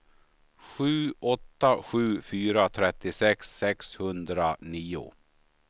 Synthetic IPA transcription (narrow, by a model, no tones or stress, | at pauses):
ɧʉ̟ːʔɔt̪ːaɧʉ̟ːfyːɾat̪ʰɾɛt̪ːɪsɛksːɛkshɵnd̪ɾaniːʊ̰